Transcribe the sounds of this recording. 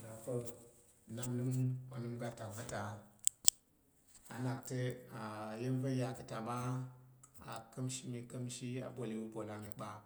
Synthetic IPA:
na˨ko˦˨ | na˦nɨ˦ma˨nɨ˦mɡa˦ta˨va˦ta˨ | a̰˨na˨k̚tə˦a˨je˦n˦və˦ja˦kə˨ta˨ma˦ | a̰˨kə˦mʃi˦mi˨kə˦mʃi˦a̰˨bo˨li˦wu˦bo˨la˨mi˨k͡pa˨

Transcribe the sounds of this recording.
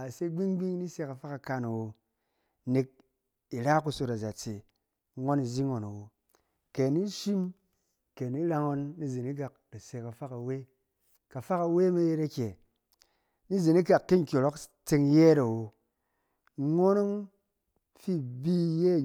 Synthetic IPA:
a˨se˦ɡ͡bi˦ŋɡ͡bi˦ŋ˦ni˦se˧ka˨fa˦ka˨ka˧na˨wo˨ | ne˨k̚ | i˨ɾa˦ku˧so˧ta˨za˨t͡se˨˦ | ŋo˦ni˨zi˦ŋo˨na˨wo˨ | ke˨ni˦ʃi˦m | ke˨ni˦ɾa˧ŋo˧nːi˦zi˨ni˦k̬a˨k̚da˨se˧ka˨fa˦ka˨we˦ | ka˨fa˦ka˧we˦me˦je˧ɾa˦kʲe˨ | ni˦ze˨ni˦ka˨kːe˦ŋ̩˨kʲo˨lo˦kt͡se˧ŋ˦je˦ɾa˨wo˨˦ | ŋo˦no˦ŋ | fi˦bi˦jeː˦˨

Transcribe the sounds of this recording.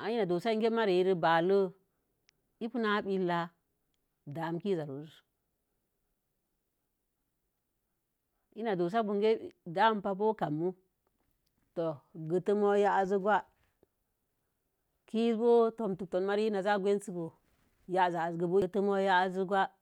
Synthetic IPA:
a˨i˦na˨do˨sa˦ŋɡe˦ma˦ɾi˨i˦ɾi˦ba˨lə˦ | i˦pu˦na˦ɓi˦lːa˦ | da˨mki˦za˨ɾo˨z | i˦na˨do˨s̬a˦bu˨ŋɡe˦˨da˨˦mpa˦˨p̬o˦ka˨mːu˦ | to˨ɡə˨tə˦mo˦ja˦a˨zu˦ɡwa˦ | ki˦zbo˦to˨mtu˨to˨nma˦ɾi˦na˨za˦ɡʷe˦n˦si˦bo˨ | ja˦˨za˨zɡə˨bo˦tə˦mo˦ja˦a˦zə˦ɡwa˦

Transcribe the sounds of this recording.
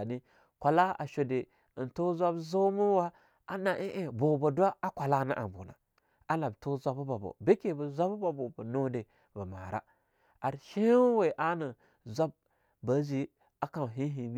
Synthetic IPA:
a˨ni˦ | kʷa˨la˦a̰˨ʃo˨de˨ | ə˨nto˦zʷa˦bzo˦mu˦wa˦ | a˦na˨ʔe˦ʔe˦bo˨bo˨dʷa˦a˦kʷa˨la˦na̰˦ʔa̰˨bṵ˨na̰˨ | a˦la˨bto˦zʷa˦bba˨bo̰˨be˦ke˦˨bə˨zʷa˦bba˨bo˨bə˨no˦de˨ | bə˨ma̰˨ɾa̰˦ | a˨ɾʃe˦we˨ʔa˦nə˨ | zʷa˦b̚ | bə˨˦zi˨ | a˨ka˨ɦi˦ɦi˨mi˦

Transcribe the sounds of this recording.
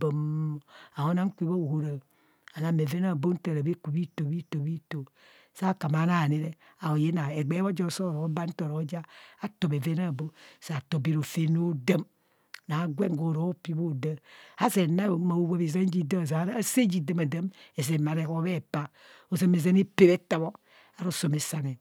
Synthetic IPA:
bo˨m | a˨ho˦na˦ŋ˦kʷi˦bo˦o˨ho˦ɾa˨ | a˨na˨me˨ve˦na˦˨bo˦n̩˦ta˦˨ɾa˨be˦ku˨bi˦to˨bi˦to˨bi˦to˨ | sa˦˨ka˨ma˨˦na˦˨ne˨˦ɾe˦ | a˨o˨je˦na˨e˨ɡ͡be˦βo˦d͡ʒo˦˨so˦˨ɾo˨o˦ba˦n̩˦to˨ɾo˨˦d͡ʒa˦a˨to˨be˨ve˦na˦˨bo˦sa˦˨to˨bi˨ɾo˨fe˦no˦da˦m˨ | na˨˦ɡʷe˦ŋ˨ɡo˨ɾo˨o˦pi˦bo˦˨da˦a˦se˨na˦o˨˦ma˨o˦wa˦βe˨za˦n˦d͡ʒi˦da˦m˨s̬a˨˦se˦d͡ʒi˨de˦ma˨da˦me˨s̬e˨ma˨ɾe˨ko˦βe˦˨pa˦ | o˨za˦me˨za˦ne˦pe˦βe˦ta˨βo˦ | a˨ɾo˦so˨me˨sa˨ne˨

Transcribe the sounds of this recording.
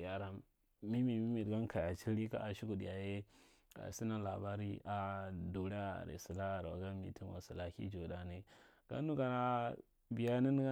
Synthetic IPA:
ja˨ɾa˨m | mi˦mi˨mi˦mi˨dɡa˦n˦ka˨ja˨t͡ʃi˦ɾi˦ka̰˦a˨ʃi˦ku˨dja˨je˦ | a̰˨si˦na˦la˨ba˦ɾi˦a˨du˨ɾa̰˦˨ɾḛ˨si˨la˦˨ɾa̰˨ɡa˦mḭ˨ti˦nwa̰˨si˨la˨kḭ˦d͡ʒo˨da˨ne˨ | ɡ̥a̰˦nu˦ɡa˨na˦ | bi˨ja˦ni˦n˦ɡa˦

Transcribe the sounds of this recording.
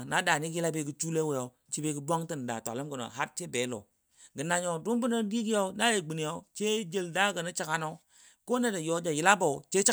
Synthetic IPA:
na˦da˨ni˦kji˦la˦be˦ɡi˦t͡ʃu˦le˦we˨jo˨˦ | t͡ʃi˦be˦ɡə˦dʷa˦ŋti˦˨n˨da̰˨ta̰˨lə˦mɡə˨no̰˨ɦa˦ɾt͡ʃe˦be˨˦lo̰˨ | ɡə˨na˨ɲo˨du˦mbu˦nə˦di˦ɡi˦jo˦na˦je˨ɡ͡bi˨ni˨jo˦t͡ʃe˦d͡ʒe˨lda˦˨ɡə˨ni˦t͡ʃa˦ka˦no˦ | ko˦ne˦da˨jo˨˦d͡ʒa˨ji˨˦la˦bo˨t͡ʃe˦t͡ʃ

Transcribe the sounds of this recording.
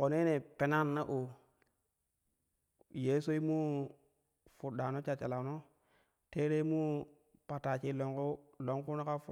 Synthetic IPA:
ko˨ne˦ne˨pe˨na˦nːa˦ʔu˨ | je˦so˦i˦mu˦ | fu˨ɗa˨no˦t͡ʃa˨t͡ʃa˨la˨no˦ | te˦ɾe˦mu˦ | pa˨ta˨t͡ʃi˦lo˨ŋku˦lo˨ŋku˦no˦ka˦f

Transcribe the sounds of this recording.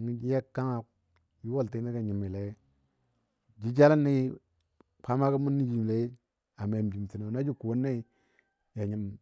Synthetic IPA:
ŋi˦d͡ʒi˦ja˦kːa˦ŋa˨ | ji˦wo˦lti˦a˦ka˨ɲi˨mi˨le˨˦ | d͡ʒi˦d͡ʒa˦la˦nːa˦i˦ | pʰa˦ma˦ku˦mu˦nːi˦d͡ʒi˨m˨le˦ | a˨me˨m˨d͡ʒi˨m˨ti˨no˨na˦d͡ʒi˦ku˨wo˦nːa˦i˦ | ja˨ɲi˨m

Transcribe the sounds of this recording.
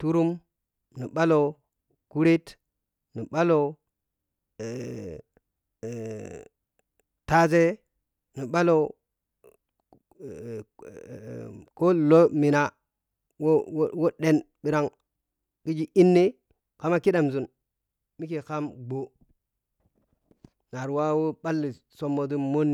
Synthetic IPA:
tu˦ɾu˦m | ni˨ɓa˦lo˨ | ku˦ɾe˦t | ni˨ɓa˦lo˨ | ta˦ze˦ | ni˨ɓa˦lo˨ | ko˦lo˦mi˨na˨ | wo˦wo˦ɗe˦n | bi˨ɾa˦˨ŋ | ki˦d͡ʒi˦ʔi˦nːe˦ | ka˦ma˦ki˦da˨mzu˨n | mi˦ke˨ka˦mɡ͡bo˨ | na˨ɾwa˦wo˦ɓa˦lːi˨ | so˦mːo˨t̬u˦mo˦nː˨

